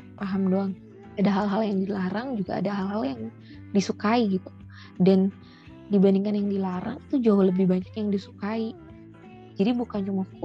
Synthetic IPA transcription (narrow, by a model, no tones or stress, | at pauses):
paɦamdoaŋ | adaɦalɦaljaŋdilaɾaŋd͡ʒuɡa̰ːdaɦalɦaljaŋ | disukaiɡit̪u̥ | dan | dibandiŋkanjaŋdilaɾa̰ŋit̪ud͡ʒaɦʊləbɪhbaɲakjaŋdisu̥kai | d͡ʒadibukant͡ʃumafʊ